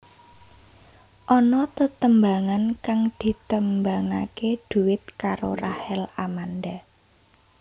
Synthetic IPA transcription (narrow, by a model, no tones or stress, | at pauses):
ʔɔnɔt̪ət̪əmbaŋankaŋd̪̥i̤t̪əmbaŋakeɖ̪̥ṳwɪt̪̚kaɾo̰rahɛlamand̪a